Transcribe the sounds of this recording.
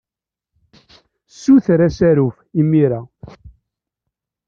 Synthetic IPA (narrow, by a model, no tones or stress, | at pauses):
sːuθɾæsæɾuf | imːiɾa